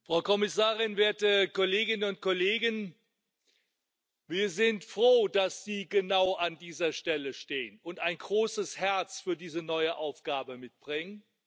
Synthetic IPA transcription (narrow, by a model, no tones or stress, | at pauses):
fʁ̥aʊkʰɔmɪsaːʁɪnveːɐtəkɔleːɡɪnənʊnt̚kʰɔleːɡən | viːɐzɪntfʁ̥oːd̥asz̥iːɡənaʊʔandiːzɐʃtɛləʃteːənʊntaɪnɡʁoːsəshɛɐt͡sfyːɐdiːzənɔʏəʔaʊfɡ̥aːbəmɪt̚b̥ʁɪŋən